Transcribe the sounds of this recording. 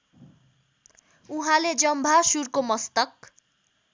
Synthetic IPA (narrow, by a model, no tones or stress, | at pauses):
uɦãled͡zʌmbʱasurkomʌst̪ʌk̚